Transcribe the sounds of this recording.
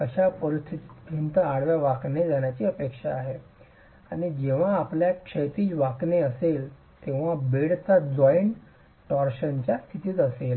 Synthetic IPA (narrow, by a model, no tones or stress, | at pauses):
əɕapəɾist̪ʰit̪it̪pint̪əaɽʋjaʋakned͡zaɳjat͡ɕiəpekʂaːɦe | aɽ̃id͡ʑeʋ̤aːpljakʂet̪iːʋakneəsel | t̪eʋ̤abeɽt͡sad͡zɔjn | ʈɔɾɕənt͡ɕjast̪ʰit̪iːt̪əsel